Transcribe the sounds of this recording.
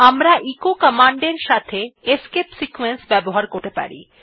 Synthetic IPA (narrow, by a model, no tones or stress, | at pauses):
amɾaʔikokəmaɳɖeɾʃat̪ʰeeskepsikuwensbɛboɦaɾkoɾʈ̪epa̰ɾḭ